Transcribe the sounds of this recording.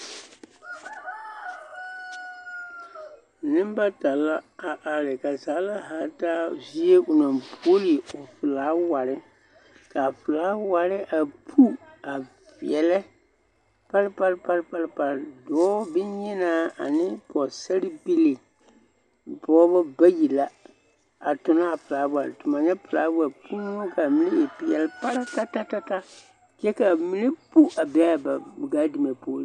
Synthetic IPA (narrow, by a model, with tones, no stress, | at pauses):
nɪ˦m˦ba˦ta˨la˦a˨ʔa˨ɾɪ˨ka˨zaː˨˦la˦ɦa˨˦taː˦vi˦e˦ʔʊ˨na˨bo˦li˨ʊ˨fɪ˨laː˨˦wa˨ɾɪ˦ | ka˨fɪ˨laː˨˦wa˨ɾɪ˦ʔa˨pʰu˦ | a˨ | vɛ˨lɛ˦ | pa˦ɾpa˦ɾpa˦ɾpa˦ɾpa˨ɾdɔː˨˦bɪ˦ɲɪ˦na˦a̰˨nɪ˦pɔ˨sa˦ɾɪ˦bi˦li˨ | pɔː˦bɔ˦ba˦ji˨la˦ | a˨tʊ˨na˦a˨fɨ˨laː˨˦wa˨ɾɪ̰˨tʊ˨ma˨ɲɛ˦fɨ˨la̰ː˨˦wa˨pʰu˦n˦ɔ˦ka˨mi˦nɪ˦ɪ˨pɛ˨lɛ˦pa˦ɾa˦ta˦ta˦ta˦ta˦ | t͡ʃɛ˦ka˨mi˨ni˦pu˦ʔa˨bɛ˦a˦ba˨ɡa˦di˨mɛ˨poː˦ɾi˦